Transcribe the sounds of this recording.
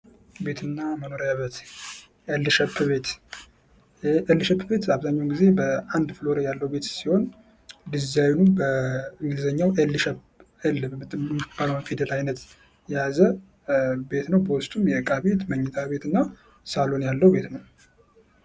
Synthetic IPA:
be̞t̪ʰɨnːaməno̞ɾjaβət̪ | ʔelːɨʃɛpːbe̞t̪ | ʔelːʃɛpʰːbe̞t̪aβzaɲːawnɡize̞bəand̪flo̞ɾejalːəwube̞t̪siho̞n | d̪ɨzawnubəɨŋɡɨlzəɲːawʔelːɨʃɛp | ɛlːbmmb̥aləwnfid̪elajnət̪ | jɛjazə | be̞t̪nəwbəwʊst̪ʼumjɛkʼabe̞t̪məɲːɛt̪ʰaβe̞t̪ɨnːa | salo̞njalːəwbe̞t̪nəw

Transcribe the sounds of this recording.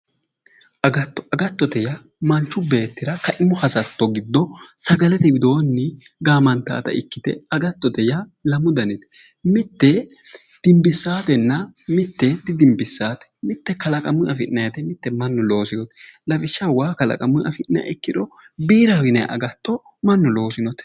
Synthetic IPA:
ʔɐɡɐt̪ːɔɐɡɐt̪ːɔt̪ɛjɐ | mɐnt͡ʃːʊbe̞ːt̪ːɪɾɐkɐʔɪmʊhɐsɐt̪ːɔɡɪd̪ːɔsɐɡɐlɛt̪ɛbɪd̪o̞ːnːɪ | ɡaːmɐnt̪a̰ːt̪ɐ̰ʔɪkːɪd̪ɛ̰ɐɡɐt̪ːɔt̪ɛjɐlɐmʊd̪ɐnɛt̪ɛ̥ | mɪt̪ːɛ | d̪̥ɪmbɪsːaːt̪ɛnːɐmɪt̪ːɛd̪ɪd̪ɪmbɪsːaːt̪ɛ̥mɪt̪ːɛkɐlɐkʼɐmʊʔɐfɪʔnɐjɐt̪ɛmɪt̪ːɛmɐnːʊlo̞ːsɪnɔt̪ɛlɐfɪʃːɐwaːkɐlɐ̰kʼɐmʊʔɐ̰fɪʔnːɐ̰jɐ̰ɪkːɪd̪ɔ | biːɾawɪnɐ̰ʔɐ̰ɡɐt̪ːɔ | mɐnːʊlo̞ːsɪnɔt̪

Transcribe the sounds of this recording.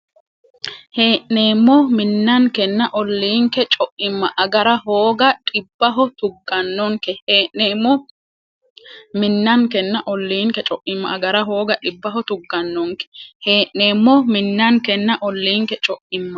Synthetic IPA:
he̞ːʔneːmːɔmɪnːɐŋkɛnːɐʔɔlːiːŋkɛt͡ʃʼɔʔɪmːɐʔɐɡɐɾɐɦoːɡɐᶑʼɪbːɐɦɔt̪ʊɡːɐnːɔŋkɛheːʔneːmːɔ | mɪnːɐŋkɛnːɐʔɔlːiːŋkɛt͡ʃʼɔʔɪmːɐ̰ʔɐɡɐɾɐɦo̞ːɡɐᶑɪbːɐɦɔt̪ʊɡːɐnːɔŋkɛ̥heːʔneːmːɔmɪnːɐŋkɛnːɐʔɔlːiːŋkɛt͡ʃʼɔʔɪmːɐ

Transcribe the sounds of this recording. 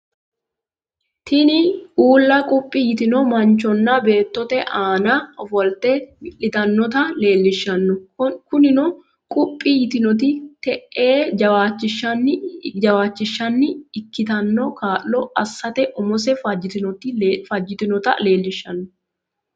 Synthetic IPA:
t̪ʰɪnɪʔuːlːɐkʼʊpʼːɪjɪt̪ɪnɔmɐnt͡ʃːɔnːɐbe̞ːt̪ːɔt̪ɛʔaːnɐɔfɔlt̪ɛmɪʔɪt̪ɐnːɔt̪ɐle̞ːlːɪʃːɐnːɔkʊnɪnɔ | kʼʊpʼːɪjɪt̪ɪnɔt̪̬ɪt̪ɛʔːe̞ːd͡ʒɐwaːt͡ʃːɪʃːɐnːɪd͡ʒɐwaːt͡ʃːɪʃːɐnːɪɪkːɪt̪ɐnːɔkaːlːɔɐsːɐt̪ɛʔɔmɔsɛfɐd͡ʒɪt̪ɪnɔt̪ɪfɐd͡ʒːɪt̪ɪnɔt̪ɐle̞ːlːɪʃːɐnːɔ

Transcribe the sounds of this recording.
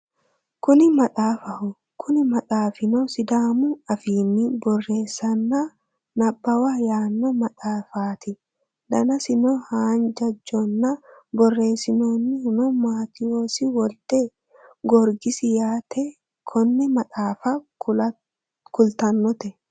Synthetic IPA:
kʊnɪmɐᶑʼaːfɐhʊ | kʰʊnɪmɐᶑʼaːfɪnɔsɪd̪aːmʊɐfiːnːɪbɔrːe̞ːsːɐnːa | nɐbːɐwajaːnːɔmɐᶑʼaːfaːt̪ɪ | d̪ɐnɐsɪnɔhaːnd͡ʒɐd͡ʒːɔnːɐbɔrːe̞ːsɪnoːnːɪhʊnɔmaːt̪ɪoːsɪwɔlt̪ɛ | ɡɔɾɡɪsɪjaːt̪ɛ | kʰɔnːɛmɐt̪aːfa | kʊlt̪ɐnːɔt̪ɛ

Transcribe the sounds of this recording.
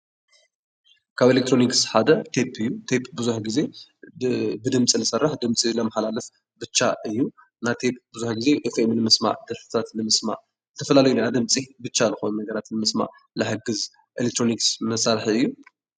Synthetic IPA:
kʰaβelek̚t̪ʰɾo̞niksħad̪ɐt̪ʰepʰːɨjːut̪ʰepbɨzuħɡize̞ | bɨd̪ɨmt͡sʼinɨsɐrːɨħd̪ɨmt͡sʼilɐmaħalalɨf | bɨt͡ʃːaʔɨjːu | nat̪ʰep̚bɨzuħɡize̞ʔefemnɨmɨsma̰ʕd̪ɐɾfɨ̥t̪ʰat̪nɨmɨsma̰ʕ | zɨt̪ʰɐfɐlalɐjunejad̪ɨmt͡sʼibɨt͡ʃːalɨxonnɐɡɐɾat̪nɨmɨsma̰ | lɨħɨɡɨz | ʔelek̚t̪ʰɾoniksmɐsaɾħɨjːu

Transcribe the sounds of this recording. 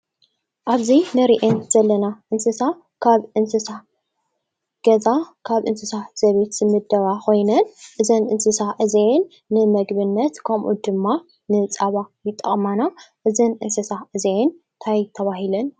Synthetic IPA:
ʔaβzinɨɾiʔenz̥ɐlːɐnaʔɨnsɨsa | kʰaβʔɨnsɨsa | ɡ̥ɐzakʰaβʔɨnsɨsaz̥ɐβet̪z̥ɨmɨd̪ːɐβako̞jnɐnʔɨzɐnʔɨnsɨsaʔɨzeenː | ɨmɐɡbɨnːɐt̪kʰɐmʔṵd̪ɨmːa | nɨt͡sʼaβajɪt̪ʼːɐ̰χʼmanaʔɨzɐnʔɨnsɨsaʔɨzeen | t̪ʰajt̪ʰɐβaɦilɐn

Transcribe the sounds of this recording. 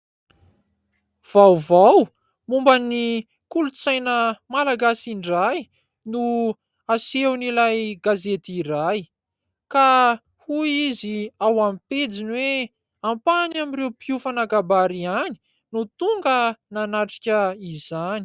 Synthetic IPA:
v̥awvaw | mumbani | kulut͡sajnəmalaɡasiɳɖ͡ʐaj | nu | asewnilajɡazet̪iraj | ka | huiziawamped͡zinwe | ampanamirewpiufanaɡabaɾiani̥ | nut̪uŋɡənanaʈ͡ʂi̥kʲəizani̥

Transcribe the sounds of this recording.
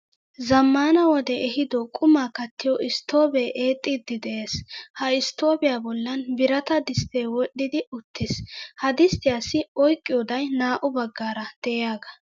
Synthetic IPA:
zɐmːaːnɐwɔd̪ɛɛɦɪd̪ɔkʼʊmaːkɐt̪ːɪjɔʔɪst̪o̞ːbɛjʔeːt̪ʼːɪd̪ːɪd̪ɛʔe̞ːshɐɪst̪o̞ːbɪjaːbɔlːɐnbɪɾɐt̪ɐd̪ɪst̪eːwɔɗːɪd̪ɪʊt̪ːɪshɐd̪ɪst̪ɪjaːsɪɔjkʼːɪjɔd̪ɐjnaːʔʊbɐɡːaːɾɐd̪̥ɛjaːɡɐ

